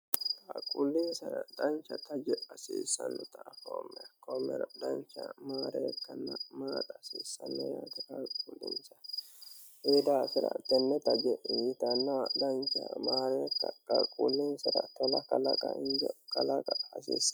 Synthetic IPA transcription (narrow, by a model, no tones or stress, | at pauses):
kʼakʼulːinsɐɾɐd̪ɐnt͡ʃɐt̪ɐd͡ʒɛɐsiːsɐnːɔt̪ɐʔfoːmːɛkɔmːɛ̰ɾɐd̪ɐnt͡ʃɐmaːɾeːkːɐnːɐmaːᶑɐsiːsːɐnːɛjaːt̪ɐkakʼuːlːɪnsɐ | ʔeːd̪aːfɪɾa̰t̪ɛnːɛt̪ɐd͡ʒɛiːt̪ɐnːad̪ɐnt͡ʃɐmaːɾeːkːɐkʼɐkʼuːlːinsɐɾɐk̪ɛlɐkɐlɐkʼɐɪnd͡ʒɛkɐlɐkʼɐɐsiːs